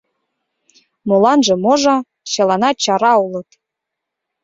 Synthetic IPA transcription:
molɑnʒɤ̆moʒɑ | t͡ɕɑlɑnɑt͡ɕɑɾɑulɤ̆t̪

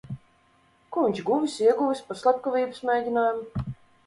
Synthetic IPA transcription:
kuviɲʲt͡ʃɡuvisiɛɡuvisʲpaɾslˠap̚kɔvʲiːbɨsmejd̪ʲinaːjumu

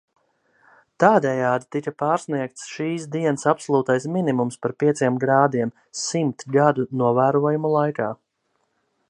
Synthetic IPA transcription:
t̪aːd̪ɛjaːd̪it̪ikapaːɾsniɛk̚t̪sʃiːsd̪iɛnsapsɔlˠuːt̪ajsminimumspaɾpiɛt̪siɛmɡɾaːd̪iɛm | simt̪ɡad̪unuɔvæːɾuɔjumulˠajkaː

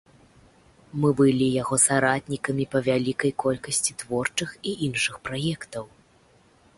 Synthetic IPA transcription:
mɨbɨlʲijaɣɔsaɾat̪ʲnʲikɐmʲipɐvʲalʲikɐjkɔlʲkɐsʲt͡sʲit̪vɔrt͡ʂɨxiʔinʂɨxpɾajɛkt̪ɐw

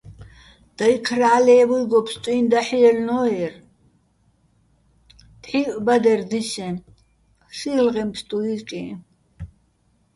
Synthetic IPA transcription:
d̪̥aikʰɾaːlɛːbujɡɔpʰst̪ʼuind̪aħiɛlnɔɛr | t̪ħiʔbad̪ɛɾd̪iʃɛ̃ | silʁɛmpst̪ʼuiɾkʼḭ

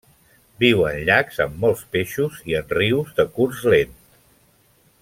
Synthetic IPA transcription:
biwənʎakzə̰mːɔlˠspeʃuziənriwzðəkurzlent̪

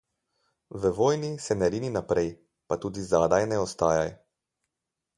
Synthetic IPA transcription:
ʋəʋoːjnisɛnɛɾiːninapɾɛj | pat̪uːd̪izaːd̪ajnɛɔst̪aːja̰j

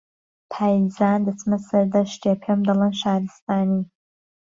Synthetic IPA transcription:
tʰaːjzaːnd̪ɨt͡sʰmɐsɐɾdɐʃtʰiepʰɐmd̪ɐlɐnʃaːɾɨst̪aːniː

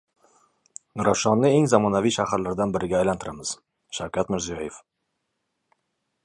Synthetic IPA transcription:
ɾaʃɒnːɪeŋzamɒnavijʃahaɾlaɾd̪anbɪɾɪɡʲaːjlant̪ʰɪɾamɪz̥ | ʃawkʲʰat̪mɪɾzijɒjef

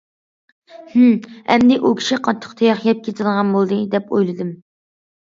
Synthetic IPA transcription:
h̩ɛ̰md̪ɪʔukʲʰi̥ʃiqʰɑt̪ʰːə̥qt̪ʰejɑχjɛp̚kʲʰet̪ʰɨd̪əʁɑnbolˠd̪ɨd̪ɛpo̰jlˠɨd̪ɨm

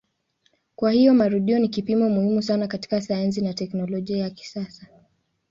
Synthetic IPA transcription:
kwahijɔmaɾuɗiɔnikipimɔmuhimusanakati̥kasajans̬inatɛknɔlɔʄiajaki̥sasa

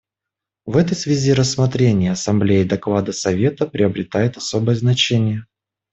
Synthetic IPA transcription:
vɛt̪əjsvʲɪzʲiɾəsːmɐt̪ɾʲenʲɪjəɐsɐmblʲejɪd̪ɐklˠad̪əsɐvʲe̞t̪əpɾʲɪəbɾʲɪt̪ajʊt̪ɐso̞bəjəznɐt͡ɕenʲɪjə

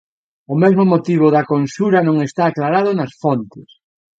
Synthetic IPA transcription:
ʊmezmomot̪iβ̞ʊðɐkonsuɾɐnõŋest̪aːklaɾað̞ʊnɐsfont̪ɪs

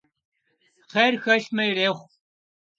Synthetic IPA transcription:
χeːrxɐɬmɐjɾeːχʷ

